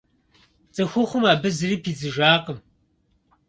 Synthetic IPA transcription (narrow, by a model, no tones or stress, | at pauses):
t͡sʼɐxʷʊχʷʊmaːbɨzɨriːpʰiːzɨʒaːqəm